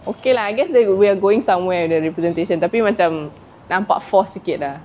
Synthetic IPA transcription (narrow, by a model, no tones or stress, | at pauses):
okelaɦajɡɛsdewiaɡoɪ̃ŋsãmwɛwidəɹipɛzɛ̃nt̪eʃə̃nt̪apimãt͡ʃãm | nãmpa̰ʔfɔsikɪt̚la